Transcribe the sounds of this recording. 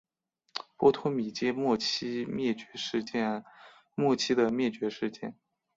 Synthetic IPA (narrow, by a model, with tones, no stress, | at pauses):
pwɔ˥t̪ʰʊ˥ŋmi˨˩t͡ɕjɛ˥mwɔ˥˩t͡ɕi˥ɛ˥˩t͡ɕɥɛ˧˥ʂ̩˥˧˥ | mwɔ˥˩t͡ɕʰi˥d̪ə˨mjɛ˥˩t͡ɕɥɛ˧˥ʂɻ̩˥˧t͡ɕjɛ̰˥˩n